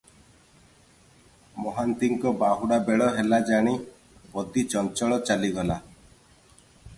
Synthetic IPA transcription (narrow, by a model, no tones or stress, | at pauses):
mɔɦant̪iŋkɔbaɦuɽabeɭɔɦelad͡ʒaɽ̃i | pɔd̪it͡ʃɔnt͡ʃɔɭɔt͡ʃaliɡɔla